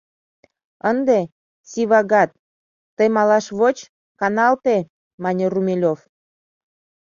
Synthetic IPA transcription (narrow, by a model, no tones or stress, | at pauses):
ənd̪e | siβɑɣɑt̪̚ː | əjmɑlɑʃβot͡ɕ | kɑnɑlt̪e | mɑnʲerumʲelʲof